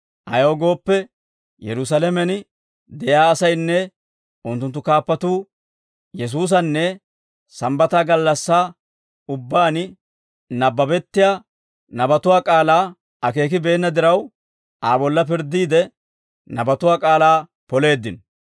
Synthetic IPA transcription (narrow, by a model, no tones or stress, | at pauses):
ʔɐ̰joːɡo̞ːpːɛ | jɛɾʊs̬ɐlɛmɛn | d̪ɛjaːsɐjnːɛ | ʊnt̪ːʊnt̪ːʊkaːpːɐt̪uː | jɛs̬uːs̬ɐnːɛ | sɐmbɐt̪aːɡɐlːɐsːaː | ʊbːaːn | nɐbːɐbɛt̪ːɪjaː | nɐbɐt̪ʊwaːkʼaːlaː | ɐke̞ːk̬ɪbe̞ːnːɐd̪ɪɾɐw | ʔaːbɔlːɐp̬ɪɾd̪ːiːd̪ɛ | nɐbɐt̪ʊwaːkʼaːlaː | pɔle̞ːd̪ːɪn